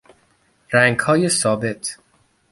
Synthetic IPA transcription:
ɾæŋkʰɒːjesɒːbet̪ʰ

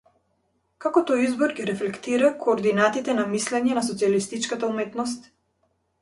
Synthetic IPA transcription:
kakɔt̪ɔjizbɔɾɡiɾɛflɛkt̪iɾakoːɾd̪inat̪it̪ɛnamislɛɲɛnas̬ɔt̪sialist̪it͡ʃkat̪aumɛt̪nɔs̬t̪

